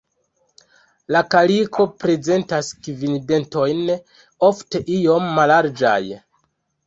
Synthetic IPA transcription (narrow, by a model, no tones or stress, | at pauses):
lakalikʰo̞pɾe̞ze̞ntaskvinde̞nto̞jn | o̞fte̞ʔijo̞mːalaɾd͡ʒa̰j